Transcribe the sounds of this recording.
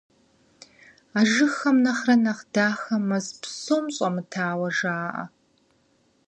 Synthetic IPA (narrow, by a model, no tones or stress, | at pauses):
aːʒɨxɐmnɐχrɐnɐχdaːxɐmːɐzpsoːmɕʼɐmɨtʰaːwɐʒaːʔɐ̰